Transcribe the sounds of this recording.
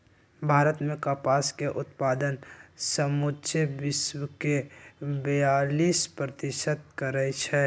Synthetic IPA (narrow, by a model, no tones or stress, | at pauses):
bʱaːɾət̪mẽkapaːskeʔʊt̪paːd̪ənsəmut͡ʃebɪswəkebəjaːliːspɾət̪ɪʃəd̪̚kəɾɛt͡ʃʰɛ